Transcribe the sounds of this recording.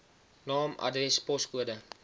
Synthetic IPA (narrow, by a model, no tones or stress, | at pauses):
nɑːmɐ̰drɛspɔskuədə